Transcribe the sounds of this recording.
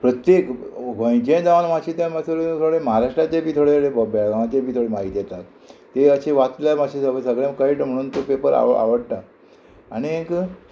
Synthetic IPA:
pɾət̪jek | ʋʱə̃j̃t͡ɕẽd͡zaʋanmaɕit̪jãmasʰoɭet̪ʰoɡɭeməɦaɾaʂʈɾat͡ɕebiːt̪ʰoɽeebəbɛɭɡãwat͡ɕebiːt̪ʰoɽemaɦit̪jɛt̪at̪ː | eəɕeʋat͡s̪ljamaɕʰesəsəɡɭjãmkaiːʈm̤əɽuːnt̪opepəɾa̰a̰ʋəɽʈa | aɽ̃iek

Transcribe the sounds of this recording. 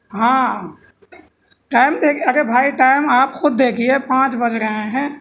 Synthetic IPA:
ɦã | ʈaːɪmd̪eːkʰieəɡebʱaːiʈaːɪmaːpkʰʊd̪̚ːeːkʰiepãːt͡ʃbəd͡ʒɾəɦẽɦɛ̃

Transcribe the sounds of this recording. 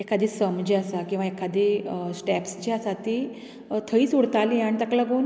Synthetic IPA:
ekad̪isəmd͡ʑiasakĩw̃ʋaekʰad̪esʈɛpsd͡ʑiasat̪i | t̪ʰəiːsuɽt̪aliaɽ̃it̪aklaɡon

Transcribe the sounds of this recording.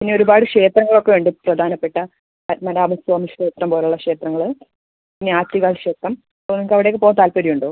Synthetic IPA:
pinːeo̞ɾubaːɽɨkʂe̞ːt̪rɐŋːɐɭo̞kːe̞ʋeːɳɖɨprɐd̪ʱaːnɐpːe̞ʈːɐ | mɐnaːmɐsɐːmʂeːt̪rɐmpoːleuɭːɐkʂe̞ːt̪rɐŋːɐɭ | pinːeaːtːiɣaːɭkʂeːk̚t̪ːɐm | onːɐkːɐʋiɽe̞kːɨpoːt̪aːlpɐɾijuɳɖoː

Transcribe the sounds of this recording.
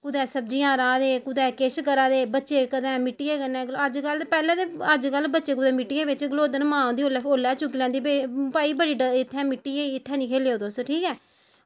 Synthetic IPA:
kʊd̪ɛːsəbd͡ʒiːjãːɾaːd̪eːkʊd̪ɛːkeːʃkəɾãːd̪eːbətːʃeːkəd̪ɛ̃ːmɪʈːɪjeːkənɛ̃ːəd͡ʒkəlpɛːlẽːd̪eːəd͡ʒkəlbətːʃeːkʊd̪ɛ̃ːmɪʈːɪjẽːʋɪt͡ʃɡəloːd̪ənmãːõːnd̪iːoːlɛːoːlːɛːt͡ʃʊkːiːlɛ̃ːnd̪iːbeːpaːiːbəɽiːɖəɪt̪ʰːɛ̃ːmɪʈːiːeːɪt̪ʰːɛ̃ːnĩːkʰeːleːoːd̪oːsəʈʰiːkɛː

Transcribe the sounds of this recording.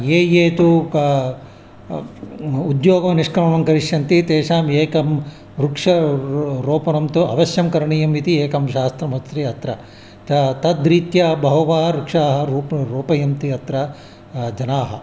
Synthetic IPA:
jeːjeːt̪u | ud̪joːɡɐɐniʂkɾɐmɐɳɐŋkɐɾiʂjɐnt̪it̪eːʂaːmeːkɐm | ɾukʂɐɾoːpɐnɐmt̪uɐ̰ʋɐʃjɐmkɐɾɐɳijɐmʋit̪ieːkɐmʃaːst̪ɾɐmɐst̪ɾiɐt̪ɾɐ | t̪ɐt̪ɐd̪ɾiːt̪jɐbɐɦɐʋaːɦɐɾukʂaːɦɐɾuːpɾoːpɐjɐmt̪iɐt̪ɾɐ | d͡ʒɐnaːɦɐ̰

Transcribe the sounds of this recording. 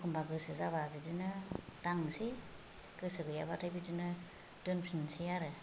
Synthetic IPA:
kʰumbaɡɯsɯzababid͡ʒinɯdaŋsi | ɡ̥ɯsɯɡɯjabatʰajbid͡ʒinɯ | d̥ɯnpsinsiaɾɯ

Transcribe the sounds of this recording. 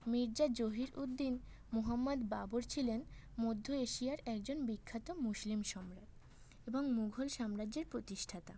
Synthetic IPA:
miɾd͡ʑad͡ʑoɦiɾud̪ːin | muɦamːad̪babuɾt͡ɕʰilen | mod̪ʱːoeʃiaɾɛk̚d͡ʑonbikʰːat̪omuslimʃɔmɾat̪ | eboŋmuɡʱolʃamɾad͡ʑeɾpɾot̪iʃʈʰat̪a̰

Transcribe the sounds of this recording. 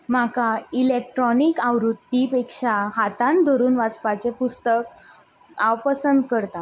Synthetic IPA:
m̤akailek̚ʈɾɔnikawɾud̪ipekʂaɦat̪ãnd̪ʱɔɾuːnʋat͡spat͡sepust̪ək | awpəsənd̪kəɾt̪a

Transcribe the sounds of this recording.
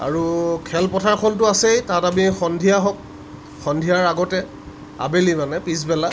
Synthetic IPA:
a̰ɹukʰɛlpɔtʰaɹkʰɔntʊasejtatamixɔndʱijaɦɔk̚ | xɔndʱijaɹaɡɔtɛ | a̰belimanɛpis̬bɛla

